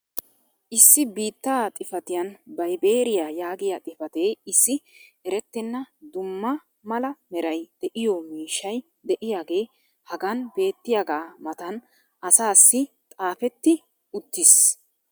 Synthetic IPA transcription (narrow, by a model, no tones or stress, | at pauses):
ʔɪsːɪbiːt̪ːaːt̪ʼɪfɐt̪ɪjɐnbɐjbeːɾɪjajaːɡɪjat̪ʼɪfɐt̪eːɪsːɪɛɾɛt̪ːɛnːɐd̪ʊmːɐ | mɐlɐmɛɾɐjd̪̥ɛʔɪjɔmiːʃːɐj | d̪ɛʔɪjaːɡe̞ː | hɐɡɐnbe̞ːt̪ːɪjaɡaːmɐt̪ɐn | ʔɐsaːsːɪt̪ʼaːfɛt̪ːɪ | ʊt̪ːɪs